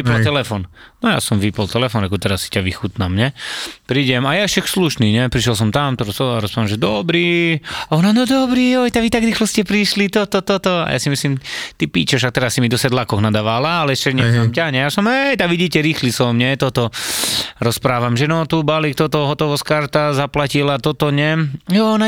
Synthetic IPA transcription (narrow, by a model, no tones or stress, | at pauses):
ipɔlt̪ɛlɛfɔːnnɔja̰sɔmʋipɔlt̪ɛlɛfɔnɾakɔt̪ɛɾasːi̥caʋixut̪namɲɛpɾiːɟɛmajaʃɛksluʃniːɲɛpɾiʃjɛls̬ɔmt̪amt̪ɔɾɔsɔaɾɔspɾaːamʒɛd̪ɔbɾiːɔnanɔd̪ɔbɾiɔjt̪aʋit̪aɡɾiːxlɔscɛpɾiʃlit̪ɔt̪ɔt̪ɔt̪ɔa̰ja̰simisliːmt̪ipiːt͡ʃɛʃak̚t̪ɛɾasːimid̪ɔsɛd̪lakɔɣnad̪aʋalaalɛɛʃcɛɲɛɔmcaɲɛjasɔmɦɛjt̪aɡʋiɟiːcɛɾiːxlisɔmɲɛt̪ɔt̪ɔ | ɾɔspɾaːʋamʒɛnɔt̪ubalik̚t̪ɔt̪ɔɦɔt̪ɔʋɔskaɾt̪azaplacilat̪ɔt̪ɔɲɛjɔna